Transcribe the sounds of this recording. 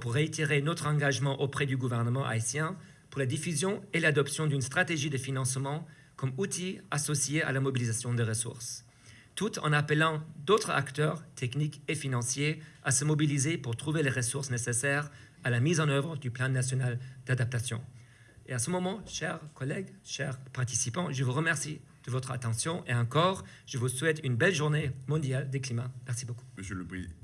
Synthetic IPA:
puʁːeit̪iʁenɔt̪χɑ̃ɡaʒmɑ̃ʔopχɛd̪yɡuvɛʁnəmɑ̃ʔa̰isjɛ̃ | puʁlad̪ifyzjɔ̃elad̪ɔpsjɔ̃d̪ynst̪χat̪eʒid̪əfinɑ̃smɑ̃ | kɔmut̪ʰiasɔsjea̰lamɔbilizasjɔ̃d̪əʁəsṵʁs | t̪ut̪ʰɑ̰̃napəlɑ̃d̪ot̪χa̰kt̪œːʁt̪ʰɛknikefinɑ̃sjeasəmɔbilizepuʁt̪χuveleʁəsuʁsnesesɛːʁ | alamizɑ̃nœvʁəd̪yplɑ̃nasjɔnald̪ad̪ap̚t̪asjɔ̰̃ | easəmɔmɑ̃ʃɛʁkɔlɛɡʃɛʁpaʁt̪isipɑ̃ʒəvuʁəmɛʁsi | d̪̥əvɔt̪χa̰t̪ɑ̃sjɔ̃ʔeɑ̃kɔːʁ | ʒ̥əvuswɛt̪ynbɛlʒuʁnemɔ̃d̪jald̪eklimamɛʁsiboku̥məsləpχḭ

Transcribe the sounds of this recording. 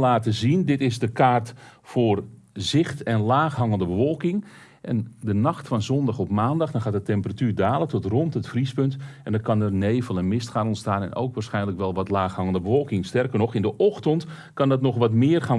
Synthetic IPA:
laːtəzindɪtɪzdəkaːrtfoːr | zɪxtɛnlaːxɦɑŋəndəbəʋɔlˠkɪŋ | ʔɛ̰ndənɑxtfɑnzɔndɑxɔpmaːndɑxdɔnxatətɛmpəratyːrdaːlˠətɔtrɔntətfrispɵntɛndɔnkɑnərneːvəlˠɛnmɪstχxaːnɔntstaːnɛ̰no̰wkʋaːrsxɛjnləkʋɛlˠʋɔtlaːxhɑŋəndəbəʋɔlˠkɪŋstɛrkərnɔxɪndəʔɔxtənt | kɑndɔtnɔxʋɑtmɪːərxaːn

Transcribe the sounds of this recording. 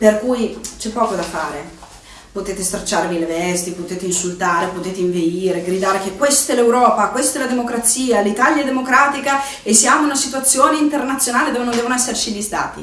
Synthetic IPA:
perkujt͡ʃɛpːɔːkod̪afaːɾe | pot̪eːt̪est̪ɾat͡ʃːaːɾevilevɛst̪ipot̪eːt̪einsult̪aːɾepot̪eːt̪eiɱveiːɾeɡɾid̪aːɾekekwest̪ɛlewɾɔːpakwest̪ɛlad̪emokɾat̪siːalit̪aljaɛd̪emokɾaːt̪ika | esːiaːmounasit̪uat̪sːjoːneint̪ernat̪sːjonaːled̪oːvenõnd̪ɛːvonoɛsːert͡ʃilːist̪a̰ːt̪ḭ

